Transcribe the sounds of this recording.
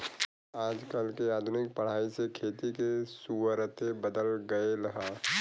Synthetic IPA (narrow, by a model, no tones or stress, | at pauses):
aːd͡ʒkəlkeaːd̪ʱʊnɪk̚pəɽ̤aːisekʰeːt̪ikesuʋəɾət̪ebəd̪əlɡəeɾɐɦaː